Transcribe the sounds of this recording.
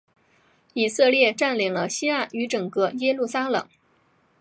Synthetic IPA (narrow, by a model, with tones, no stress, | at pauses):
i˨˩sɤ˥˧ljɛ˥˧ʈ͡ʂa˥˩nli˨˩ŋlə˦ɕi˥a˥˩y˧˥ʈ͡ʂɤ˨˩ŋkɤ˥˧jɛ˥lu˥˩sa˥lɤ̰˨˩˦ŋ